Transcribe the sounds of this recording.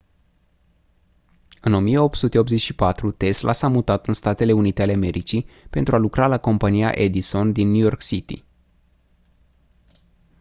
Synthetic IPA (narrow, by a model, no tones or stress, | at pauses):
ɨno̞mije̞o̞p̚t̪sut̪e̞o̞p̪ze̞t͡ʃʲʃipat̪ɾut̪e̞slʔa̰samut̪at̪ɨnst̪at̪e̞le̞unit̪e̞aleame̞ɾʔit͡ʃipe̞nt̪ɾualukɾalako̞mpanija̰ʔe̞d̪iso̞nd̪inːujo̞rksit̪ḭ